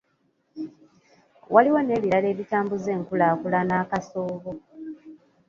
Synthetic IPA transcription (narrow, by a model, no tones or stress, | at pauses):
wʔaliwone̞ːβiɾale̞ːβitaːmbuze̞ːŋkulaːkulanaːkasoːβo